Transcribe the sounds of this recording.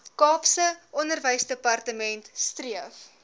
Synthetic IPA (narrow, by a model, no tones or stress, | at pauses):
kɑːpsəʔɔndərvəjsdəpɐrtəmɛntstriəf